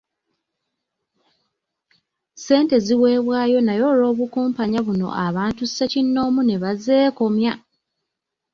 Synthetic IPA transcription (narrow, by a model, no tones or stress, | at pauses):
se̞ːnte̞ziwe̞ːβwaːjo̞najo̞ːɾo̞ːβukuːmpaɲaβuno̞̰ʔaβaːntusecinːo̞ːmune̞βaze̞ːko̞mja